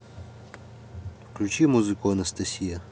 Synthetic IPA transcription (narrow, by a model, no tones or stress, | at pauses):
fklʲut͡ɕimuzɨkuɐnɐst̪ɐsʲijɐ